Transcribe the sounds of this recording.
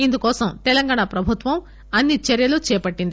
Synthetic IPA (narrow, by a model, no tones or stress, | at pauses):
ind̪ukɔːsɐmt̪ɛlɐŋɡaːɳapɾɐbʱut̪ʋɐm | ɐnːit͡ʃɛɾjɐlut͡ʃɛːpɐʈːind̪i